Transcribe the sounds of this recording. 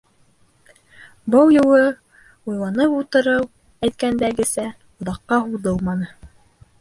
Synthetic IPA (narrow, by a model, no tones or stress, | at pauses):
bɤlˠjŭlˠɤ | ujlˠɑnɤput̪ɤ̆ɾɤw | æjt̪̚kænd̪æɡɘ̆sæ | ŏðɑqːɑɦuld̪ɤlˠmɑnɤ